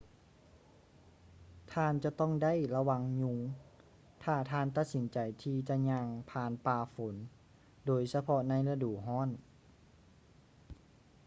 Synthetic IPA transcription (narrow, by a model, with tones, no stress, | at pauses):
t̪ʰaː˧˨nt͡ɕa˧˦t̪ɔ˥˨ŋda˥˨jla˧wa˧ŋɲu˧ŋ | t̪ʰaː˧˩t̪ʰaː˧˥nt̪a˧˩t̪̚si˨˦nt͡ɕa˨˩jt̪ʰiː˧t͡ɕa˧ɲaː˧ŋpʰaː˧˩npaː˧˩fo˩˦n | doː˨jsa˧pʰɔ˧na˧˥˨jla˧duː˨˩ɦɔː˥˨n